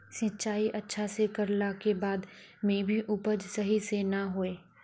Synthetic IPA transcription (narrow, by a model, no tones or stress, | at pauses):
sɪ̃t͡ʃaːiʔɐtːʃʰasekɐɾlakebaːd̪ | mẽbʱiʔupəd͡ʒsɐɦisenaɦoːeː